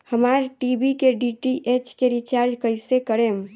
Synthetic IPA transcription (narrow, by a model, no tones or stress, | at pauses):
həmaɾʈibikeɖiʈiʔet͡ʃkeɾit͡ʃaɾd͡ʒkəjsekəɾem